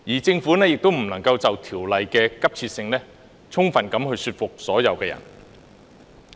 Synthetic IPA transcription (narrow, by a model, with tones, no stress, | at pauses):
jiː˨˩t͡sɪ˧ŋfuː˨˥nɛː˥jɪ˨k̚t̪o˥wm̩˨˩nɐ˨˩ŋkɐ˧wt͡sɐ˨wt̪ʰiː˨˩wlɐ˨jkɛː˧kɐ˥p̚t͡sʰiː˧t̚sɪ˧ŋnɛ˥ | t͡sʰʊ˥ŋfɐ˨˩nkɐ˨˥mhɵ˧ɥsyː˧t̚fʊ˨k̚sɔː˨˥jɐ˨˧wkɛː˧jɐ̰˨˩n